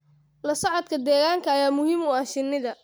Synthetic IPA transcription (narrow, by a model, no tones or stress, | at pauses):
lɐsɐʕɔd̪kʰɐd̪ɛːɣaːŋkʰɐɐjaːmʊhiːmʊaʃɪnːɪðɐ